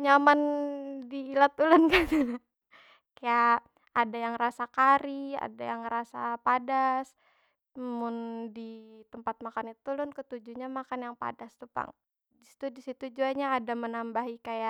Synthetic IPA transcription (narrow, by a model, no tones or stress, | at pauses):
ɲamandiːlat̪ulʊnkat̪u | kaja | ʔadajaŋrasakaɾia̰dajaŋɾasapadas | mʊndit̪əmpat̪̚makanit̪ulʊnkət̪ud͡ʒuɲamakanjaŋpa̰dast̪upa̰ŋ | disi̥t̪udisit̪ud͡ʒuaɲaːdamənambaɦikajaʔ